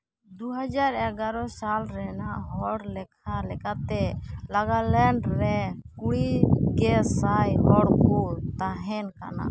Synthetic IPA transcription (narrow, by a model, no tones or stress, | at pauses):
d̪uɦad͡ʒaɾɛɡaɾɔsalɾɛnaʔɦɔɽlɛkʰalɛkat̪ɛlaɡalɛɳɖɾɛkuɽikɛsajɦɔɽkut̪aɦɛnka̰na̰